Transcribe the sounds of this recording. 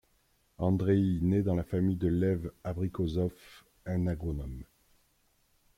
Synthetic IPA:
ɑ̃d̪ʁeined̪ɑ̃lafamijd̪əlɛvabʁikozɔf | ɛ̃naɡʁɔnɔm

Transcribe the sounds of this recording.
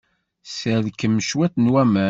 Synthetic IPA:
səðkːəmːʃwæθnwæmə

